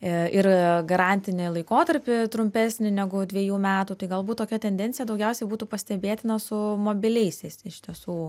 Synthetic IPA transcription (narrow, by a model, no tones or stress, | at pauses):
ɪɾɡɐɾɑːnʲt̪ʲɪnʲɪlˠɐɪkoːt̪ɐɾʲpʲɪt̪ɾʊmʲpʲæːsʲnʲɪnʲæɡʊd̪ʲʋʲiɛjuːmʲæːt̪uːt̪ɐɪɡɐlˠbuːt̪t̪ːoːkʲɛt̪ʲɛnʲd̪ʲɛnt̪t͡sʲsʲɪjɛd̪ɐʊɡʲɛʊsʲɛɪbuːt̪uːpɐsʲt̪ʲɛbʲeːt̪ʲɪnɐsʊmoːbʲɪlʲɛɪsʲɛɪsɪʃʲt̪ʲiɛsuː